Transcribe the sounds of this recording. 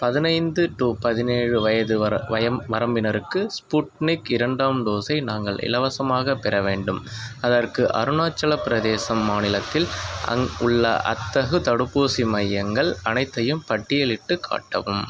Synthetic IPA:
pɐðɪnɐɪnd̪ɯʈuːpɐðɪneːɻɯʋɐjɐðɯɐʋɐɐʋɐɾɐmbɪnɐɾɯkːɯspuʈnɪkɪɾɐɳɖaːmd̪oːsɐɪnaːŋɡɐɭʔɪ̰lɐʋɐsɐmaːɣɐpːɛɾɐʋeːɳɖɯmɐðɐrkɯʔɐ̰ɾɯnaːt͡ʃːɐɭɐpɪɾɐðeːsɐmːaːnɪlɐt̪ːɪl̰ | ʊɭːɐ̰ʔɐ̰t̪ːɐɣɯt̪ɐɽɯpːoːsimɐjːɐŋɡɐɭɐnɐɪt̪ːɐjɯmpɐʈːɪjɐlɪʈːɯkʰːa̰ːʈːɐ̰ʋɯm

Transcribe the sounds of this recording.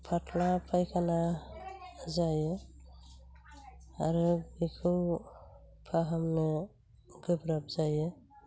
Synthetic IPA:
pʰatʰlapʰajkʰana | zajɯ | aɾɯbikʰɯw | pʰaɦamnɔ | ɡɯbɾap̚zajɯ

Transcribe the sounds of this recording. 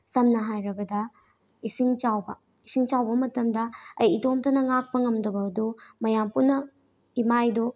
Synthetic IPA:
sɐmnɐɦajɾɐbɐdɐ | isiŋt͡ʃawbɐ | isiŋt͡ʃawbɐmɐtɐmdɐɐjitomtɐnɐŋak̚pɐŋɐmdɐbɐɐdumɐjampunːɐ | imajdɔ

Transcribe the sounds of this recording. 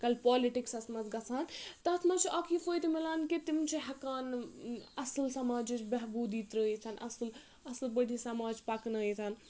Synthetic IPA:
kɐlpɔːliʈiksɐsmɐsɡɐt͡sʰaːnt̪ɐt̪mɐt͡ʃʰiʔɐkʰifʰoːjt̪imilaːnkit̪imt͡ʃʰiɦɛkaːnɐsɨlsɐmaːd͡ʒit͡ʃbɛɦbuːd̪iːt̪ɾəːit̪ʰɐnʔɐ̰sl | ɐslbəɽʱisɐmaːd͡ʒpɐknɐit̪ʰan

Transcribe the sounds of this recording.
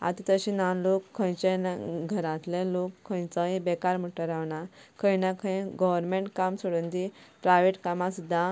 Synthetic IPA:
a̰t̪it̪əɕĩnanlokʰːə̃jt͡ɕanaɡʱəɾãt̪lẽlokʰːə̃jt͡səĩbɛkaɾm̤əʈːəɾaʋɳakʰə̃jnakʰə̃j̃ɡɔʋəɾmẽɳʈkamsoɽənd̪ipɾajʋeʈkamãsud̪ʱːã

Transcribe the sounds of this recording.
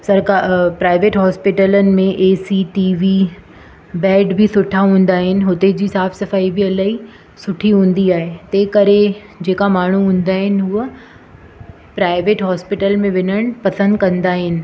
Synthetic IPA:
sɐɾkapɾaːɪʋeːʈɦɔːspɪʈələnɪ̆mẽʔeːsiʈiːʋi | bɛːɖbɪsʊʈʰaɦũːn̆d̪aːɦɪnɪ̆ɦʊt̪ed͡ʑiːsaːfsɐfaːibɪɐlaːi | sʊʈʰiɦũːn̆d̪iaːɦet̪eːkɐɾe | d͡ʑeːkamaːɳ̤uɦũːn̆d̪aːɦɪnɪ̆ɦuːə | pɾaːɪʋeːʈɦɔːspɪʈəlmẽʋɪnəɽ̃pɐsə̃nd̪kɐ̃nd̪aːɦɪnɪ̆

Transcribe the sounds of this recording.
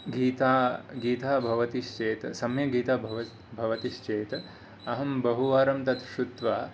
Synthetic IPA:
ɡiːt̪aːɡiːt̪aːbʱɐʋɐt̪iʃt͡ʃeːt̪sɐmjɐɡiːt̪aːbʱɐʋɐ | bʱɐʋɐt̪iʃt͡ʃeːt̪ | ɐɦɐmbɐɦuʋaːɾɐmt̪ɐt̪ʃut̪ʋaː

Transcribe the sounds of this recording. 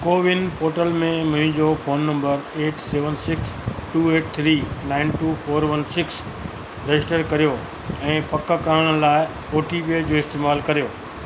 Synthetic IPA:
koːʋɪnpoːɾʈəlmẽmʊ̃ɦɪ̃d͡ʑofoːnːɐ̃mbəɾeːʈseːʋənsɪksʈuːeːʈ̚t̪ʰɾiːnaːɪnʈuːfoːɾʋɐnsɪks | ɾɐɪsʈəɾkɐɾijo | ɛ̃ːpɐkəkaəɽ̃ʊlaːɪ | poːʈʰipiəd͡ʑoːɪst̪eːmaːlkɐɾijoː

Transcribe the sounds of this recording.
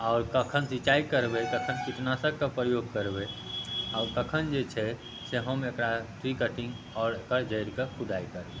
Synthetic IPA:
ɔʊɾkəkʰənsit͡ʃaikəɾbɛkəkʰənkiʈ̪nasəɡkepɾəjoɡ̚kəɾbɛaʊɾkəkʰənd͡ʒet͡ʃʰɛ | seɦəmekɾaʈ̪ʰɾikəʈĩŋɡ | ɔːɾekad͡ʒəɪɾkekʰud̪aikəɾbe

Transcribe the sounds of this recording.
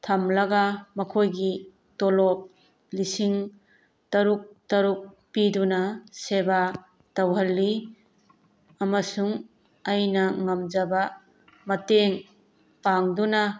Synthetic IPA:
tʰɐmlɐɡamɐkʰojɡi | tɔlɔp̚ | lisiŋ | tɐɾuk̚tɐɾuk̚ | pidunaseba | tɐwɦɐlːi | ɐmɐsuŋ | ajnɐŋɐmd͡ʒaba | mɐteŋ | paŋdunɐ

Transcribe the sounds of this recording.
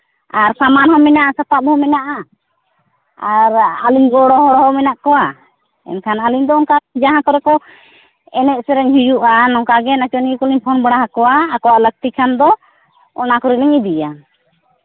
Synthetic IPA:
aɾsamanhɔmɛnaʔasapap̚hɔmɛnaʔa | aɾaliɲɡɔɽɔɦɔɽɔɦɔmɛnaʔkɔwa | ɛ̰nkʰanaliɲd̪ɔːŋkad͡ʒaɦãk̪ɔɾɛkɔ | ɛnɛʔ̚sɛɾɛɲɦijuʔanɔŋkaɡɛnat͡ʃɔniɡikɔliɲpʰɔnbaɽaɦakɔwaːkɔwaʔlək̚t̪ikʰand̪ɔ | ɔ̰nakɔɾiliɲid̪ija

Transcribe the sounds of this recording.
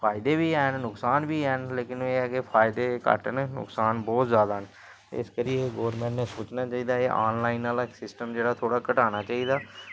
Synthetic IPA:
pʰaːɪd̪eːbiːɛːnnʊksaːnbiːɛːnleːkɪneːɛːkɪpʰaːɪd̪eːkə̰ʈənnʊ̰ksaːnbɔːt̪zjaːd̪aːn | ɪ̰skəɾijeɡoːɾmɛ̃ːɳʈnẽːsoːt͡ʃnaːt͡ʃaːiːd̪aːeːʔaːnlaːɪnːaːlaksɪsʈəmd͡ʒeːɽaːt̪ʰoːɽaːkəʈaːnaːt͡ʃaːiːd̪aː

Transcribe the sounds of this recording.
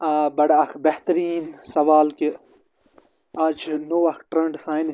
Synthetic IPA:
aːbɐɽɐkʰbeht̪əɾiːnsɐʋaːlki | ad͡ʒnoːɐkʈɾẽɳɖsaːjn

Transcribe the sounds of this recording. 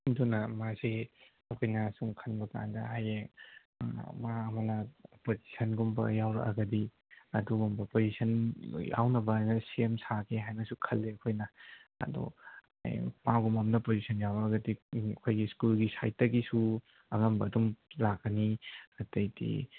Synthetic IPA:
dunɐmaze | ɐkʰojnɐsuŋkʰɐnbɐka̰ndɐ̰ɦaje | maːmɐnɐpozi̥sʰɐnɡumbɐ̰jawɾɐ̰ʔɐ̰ɡɐdi | ɐduɡumbɐpozisɐnja̰wnɐbɐajnɐsiemsakʰeɦajnɐsukʰɐlːeɐkʰojnɐɐ̰dɔ̰ | maɡumɐmnɐpozisʰɐnjawɾɐɐɡɐdiɐ̰kʰojɡiskulɡisa̰jtɐɡisu | ɐŋɐmbɐːdumlaɡɐniɐtɐjdḭ

